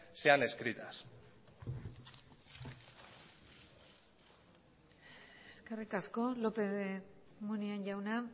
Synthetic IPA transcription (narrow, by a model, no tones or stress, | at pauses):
se̞ane̞skɾit̪as | eskerikasko̞lo̞pemunianʝawna